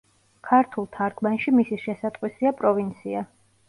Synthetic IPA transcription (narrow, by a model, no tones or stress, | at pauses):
kʰaɾt̪ʰulˠt̪ʰaɾkʰmanʃimisiʃɛsat̪ʼqʼwisiapʼɾɔvint̪sʰia